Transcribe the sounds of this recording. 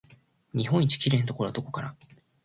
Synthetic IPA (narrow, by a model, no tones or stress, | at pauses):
ɲ̟iɦõ̞ɲ̟it͡ɕi̥kʲiɾe̞ːnt̪oko̞ɾoad̪o̞ko̞kaɾa